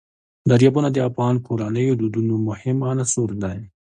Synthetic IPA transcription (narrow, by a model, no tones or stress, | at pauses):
d̪aɾjɑbunad̪əafɣɑnkʰoɾanəjod̪ud̪unomʊhɪmanasoɾd̪aj